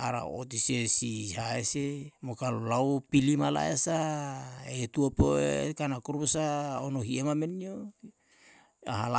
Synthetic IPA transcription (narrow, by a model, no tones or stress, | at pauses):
aɾa̰o̰t̪isesiɦaesemokalolawpilimala̰esa | et̪uopoekanakuɾbusaonoɦiemamenio | aɦala